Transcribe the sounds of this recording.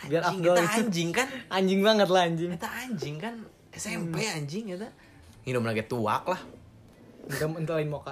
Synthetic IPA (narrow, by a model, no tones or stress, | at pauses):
biaɾaɡaliɲd͡ʒɪŋkanaɲd͡ʒɪŋbaŋət̪lahaɲd͡ʒɪŋit̪aaɲd͡ʒɪŋkan | sɛmajaɲd͡ʒɪŋit̪a | ŋinʊmlaɡit̪ua̰k̚lah | ənt̪əmənt̪əlaimoka